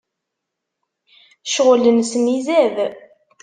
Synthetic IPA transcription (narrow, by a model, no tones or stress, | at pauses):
ʃʁələnsmizæð